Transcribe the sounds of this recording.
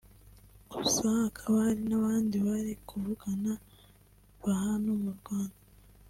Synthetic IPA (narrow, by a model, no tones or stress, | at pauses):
oβusahkʰaβaɾinaβaːndiβaɾikʰuvuɡana | βahanomuɾɡwaːnda